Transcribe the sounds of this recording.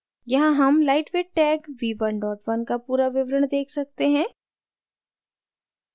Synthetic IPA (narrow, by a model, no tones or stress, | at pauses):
jɐɦãɦɐmlaːɪʈʋeːʈɛːkʋiːʋɐnɖɔːʈʋɐnkapuːɾaʋɪʋɾəɽ̃d̪eːkʰsɐk̚t̪eɦɛ̃ː